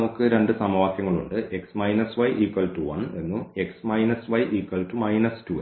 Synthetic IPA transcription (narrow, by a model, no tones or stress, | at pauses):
ɐukːɨɾe̞ɳɖɨsɐmɐʋaːkjɐŋːɐɭuɳɖɨʔe̞ksmɐjnɐsʋɐjʔiːkʋɐlʈuʋɐ̰ne̞nːue̞ksmɐjnɐsʋɐjʔiːkwɐlʈumɐjnɐstu